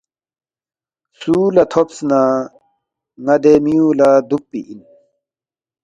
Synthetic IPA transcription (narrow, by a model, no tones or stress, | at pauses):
suːlɐt̪ʰopsna | ŋɐd̪emijũːlad̪upːḭʔin